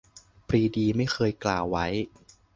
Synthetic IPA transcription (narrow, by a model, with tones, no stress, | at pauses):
pɾiː˧diː˧ma˥˩jxʰɤː˧jklaː˨˩wːa˦˥j